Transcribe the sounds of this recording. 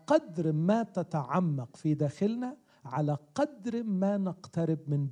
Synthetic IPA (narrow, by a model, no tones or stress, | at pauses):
qɑd̪ɾmaːt̪at̪aʕamːɑqfiːd̪aːxɪlna | ʕalaqɑd̪ɾmaːnɪqt̪aɾɪb̚mɪnb